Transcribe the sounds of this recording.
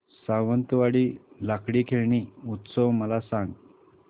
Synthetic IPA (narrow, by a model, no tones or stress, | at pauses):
saʋənt̪ʋaɽiːlakɽiːkʰeɭɳiut̪səwməlasãŋɡ